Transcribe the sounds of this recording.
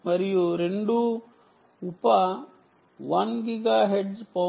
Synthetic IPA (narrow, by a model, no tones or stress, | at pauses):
mɐɾijuɾeɳɖu | upa | ʋɐnɡiɡaːɦeɖzpɐ